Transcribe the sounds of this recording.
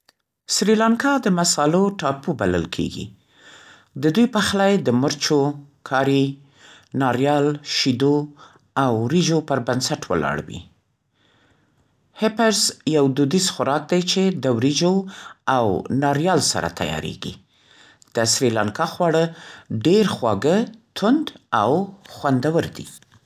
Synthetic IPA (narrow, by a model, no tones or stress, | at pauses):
sɾilɑŋkɑd̪əmasɑloʈɑpubalə̰lkʰḛɡḭ | d̪əd̪ujpəxlɑjd̪əməɾt͡ʃokʰɑɾi | nɑɾjɑlʃid̪o | awɾid͡ʒopəɾbansaʈwə̰lɑ̰ɽwḭ | hɪpaɾzjawd̪ud̪izxʊɾɑk̚d̪ajt͡ʃed̪əwɾid͡ʒoawnɑɾjɑlsa̰ɾa̰t̪ʰa̰jɑ̰ɾḛɡḭ | d̪̥əsɾilaŋkɑxwɑɽəɖeɾxwɑɡət̪ʰʊnd̪awxwand̪awəɾd̪ḭ